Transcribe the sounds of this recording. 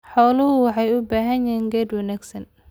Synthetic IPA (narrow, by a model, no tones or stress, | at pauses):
ħɔːlʊɦʊwɑħɑjubaːɦɐnɛːŋɡɛd̪wɛnaɡsɐn